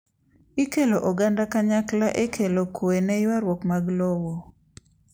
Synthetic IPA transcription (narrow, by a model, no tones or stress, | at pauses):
ikeloʔɔɡandakaɲaklaʔekʰelokwenejwaɾwɔkmaɡlɔwo